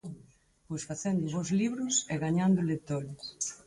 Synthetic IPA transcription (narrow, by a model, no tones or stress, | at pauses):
pojsfaθɛnd̪ʊβowzliβɾʊsɛɣaɲand̪ʊlet̪ɔɾ